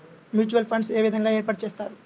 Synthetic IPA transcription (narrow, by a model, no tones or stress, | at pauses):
mjuːt͡ʃuʋɐlpʰɐɳɖseːʋid̪ʱɐŋɡaːeːɾpaːʈ̚t͡ʃeːst̪aːɾu